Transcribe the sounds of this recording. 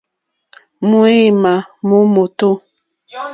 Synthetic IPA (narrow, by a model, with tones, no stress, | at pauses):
mu˦e˦˨ma˨mo˦mo˨to˦